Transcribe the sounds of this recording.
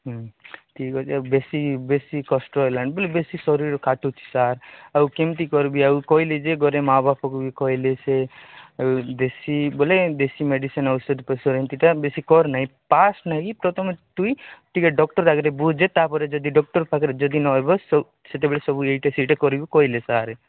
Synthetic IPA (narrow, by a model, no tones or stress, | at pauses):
ɦʈʰikɔt͡ʃabesibesikɔsʈɔlaɳbolebesisɔɾiɾɔkʰaʈut͡ʃʰi̥saɾawkemt̪ikɔɾbiawkɔjled͡ʒeɡɔɾemabʱapɔkbikɔjleseawd̪esiboled̪esimeɖisɐnawsɔd̪pɔsɔɾent̪iʈabesikɔɾnaɦipasnaɦikipɾɔt̪ʰɔmt̪uiʈ̪ikeɖɔk̚ʈɔɾaɡɾebud͡ʒet̪apɔɾed͡ʒɔd̪iɖɔk̚ʈɔɾpʰakɾed͡ʒɔd̪inɔɦɔjbɔɔ | set̪ebelesɔbueʈesiʈekɔɾibikɔjlesaɾ